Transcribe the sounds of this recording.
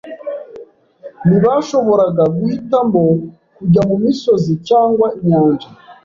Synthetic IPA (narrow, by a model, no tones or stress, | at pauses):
niβaʃo̞βo̞ɾaɡaɡwitambo | kuɟamumiso̞zit͡ʃaːŋɡwaiɲoːɲɟa